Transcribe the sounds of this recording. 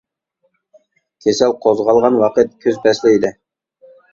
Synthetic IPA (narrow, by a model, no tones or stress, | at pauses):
kʲʰesælqʰozʁɑlˠʁɑnwɑqət̪̚kʲʰøzbɛslɪilɪ